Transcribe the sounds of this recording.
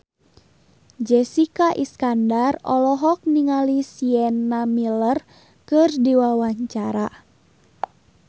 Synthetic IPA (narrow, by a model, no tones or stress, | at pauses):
d͡ʒɛsikaʔiskandarɔ̰lɔɦɔk̚niŋalisiɛnamilər | kɨrdiwawaɲt͡ʃaɾa